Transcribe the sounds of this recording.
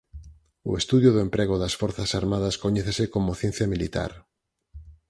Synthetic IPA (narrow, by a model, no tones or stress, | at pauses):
ʊ̰est̪uðjʊðʊempɾeɣ̞oðɐsfoɾθɐsaɾmaðɐskoɲɛθesɪkomoθjẽn̟θjɐmilit̪a̰ɾ